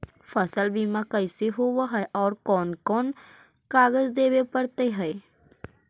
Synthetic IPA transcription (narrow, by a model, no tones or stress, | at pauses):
fʰəsəlbiːmãkəɪseɦoːwaɦɛʔɔːɾkɔːnkɔːn | kaːɡəzd̪eːbepəɾt̪eɦɛː